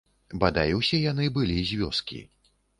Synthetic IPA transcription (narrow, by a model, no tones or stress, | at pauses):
bad̪ajɛwsʲɛjanɨbɨlʲizʲvʲɔskʲḭ